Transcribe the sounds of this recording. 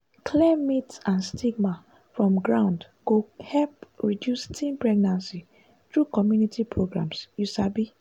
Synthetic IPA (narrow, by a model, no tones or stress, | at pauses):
kʰlɛmitãnstʰiɡma | fɹɔ̃mɡɹãʊ̃nd | ɡ̥ohɛlpɹidjustʰĩnpɹɛɡnãnsi | t̪ɹukɔmjunitʰipʰɹoɡɹã̰msjusabi